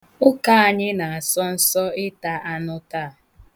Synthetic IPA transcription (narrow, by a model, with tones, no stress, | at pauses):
ʊ˦ka˦a˨ɲɪ˦na˨a˨sɔ˦n̩˦sɔ˦ɪ˦ta˦a˦nʊ˦ta˦˨